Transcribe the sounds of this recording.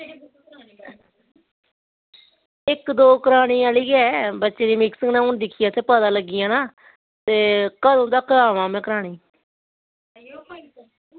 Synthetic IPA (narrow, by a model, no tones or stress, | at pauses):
ɪkd̪oːkəɾaːɽ̃iːaːliːɡɛːbətːʃeːd̪iːmɪksəŋɡnãːʊɳd̪ɪkʰːijaːt̪ʰeːpəd̪aːləɡːɪjãːnaː | t̪eːkəd̪õnd̪akaːʋãːmɛ̃ːkəɾaːɽ̃iː